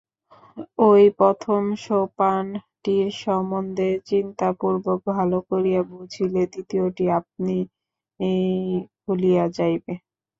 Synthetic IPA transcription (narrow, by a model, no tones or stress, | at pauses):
ojpɾɔt̪ʰomʃowpan | ʈiɾʃɔmond̪ʱet͡ɕint̪apuɾbok̚bʱalokoɾijabud͡ʑʱiled̪it̪ioʈiap̚ni | ejkʰulijad͡ʑajbe